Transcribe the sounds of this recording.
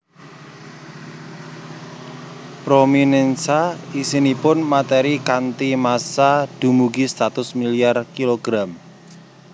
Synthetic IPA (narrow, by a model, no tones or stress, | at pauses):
pɾominɛnsaisinipʊnmat̪eɾikant̪imasad̪̥ṳmuɡist̪at̪ʊsmiliarkiloɡ̥ɾam